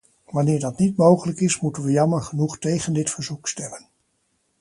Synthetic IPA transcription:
ʋɑnɪːɹdɑtnitmowχələkɪsmutənʋəjɑməɹχənuχtejχəndɪtfəɹzukstɛmən

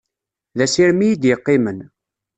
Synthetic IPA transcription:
ðæsiɾmijid̪jəqːɪmən

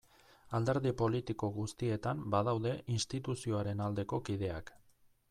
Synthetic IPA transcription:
ald̪e̞ɾðipo̞lit̪iko̞ɣust̪ie̞t̪ambaðawðe̞ʔinst̪it̪usio̞aɾe̞nald̪e̞ko̞kiðe̞a̰k

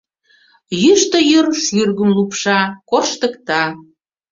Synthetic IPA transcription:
jyʃt̪ə̆jøɾʃyrɣə̆mlupʃɑkorʃt̪ə̆kt̪ɑ

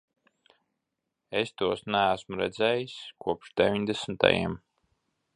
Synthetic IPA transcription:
est̪uɔsnææsmuɾɛd̪zɛːjiskuɔpʃd̪evʲiɲd̪esn̩t̪a̰jḭm

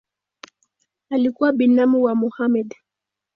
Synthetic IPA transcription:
alikuwaɓinamiwamuhamɛd

